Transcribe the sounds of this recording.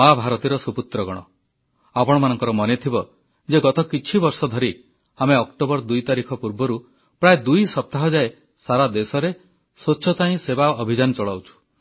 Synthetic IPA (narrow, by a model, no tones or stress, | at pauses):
abʱaɾɔt̪iɾɔsuput̪ɾɔɡɔɽ̃ɔ | apɔɽ̃ɔmanɔŋkɔɾɔmɔnet̪ʰibɔ | d͡ʒeɡɔt̪ɔkit͡ʃʰibɔɾsɔd̪ʱɔɾi | ameɔkʈobɔɾd̪ujt̪aɾikʰɔpuɾbɔɾu | pɾaed̪ujsɔp̚t̪aɦɔd͡ʒae | saɾad̪esɔɾe | soːt͡ʃʃʰɔt̪aĩsebaɔbʱid͡ʒanɔt͡ʃɔɭawt͡ʃʰu̥